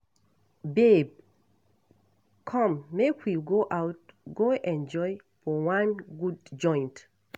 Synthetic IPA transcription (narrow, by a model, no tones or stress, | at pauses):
beb̚ | kʰɔ̃mːekʰwiɡoʔawt̚ɡoʔɛ̃nd͡ʒɔj | fɔwãnɡudd͡ʒɔ̃j̃nt